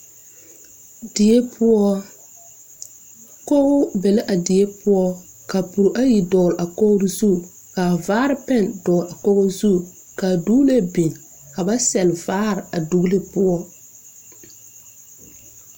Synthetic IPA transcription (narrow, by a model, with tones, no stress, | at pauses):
dɪ˨e˦pʊ˦ɔ˦ | ko˦ʊ˦bɛ˨la˦ʔa˨dɪ˨e˦pʊ˦ɔ˦ | ka˨pu˨ɾʔa˦ji˨dɔː˨lʔa˨ko˦ɾzu˦˨ | ka˨vaː˦ɾɪ˦pɛ˦˨ndɔː˨la˨kɔ˦ɣo˦zu˦ | ka˨du˦le˦bi˨n | ka˨ba˦sɛ˨lvaː˦ɾɪ˨a˨du˦le˦pʊ˦ɔ˦